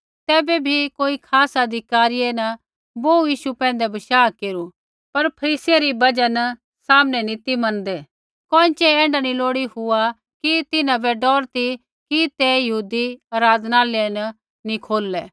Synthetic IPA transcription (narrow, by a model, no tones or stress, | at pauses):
t̪ɛːbɛbʱikoːikʰaːsɐd̪ʱɪkaːɾijenɐ | boːujiːʃupɛ̃ːnd̪ɛbɐʃaːkeːɾu | pɐɾpʰɐɾiːsijaɾibɐd͡ʒan | saːmnɛnĩt̪imɐ̃nd̪ɛ | kɔ̃ːɪ̃t͡ʃɛɛ̃ːɳɖaniloːɽiɦʊa | kit̪ɪnãbɛɖɔːɾt̪i | kit̪ɛjɐɦuːd̪iɐɾaːd̪naːleenɐ | nikʰoːlːɛː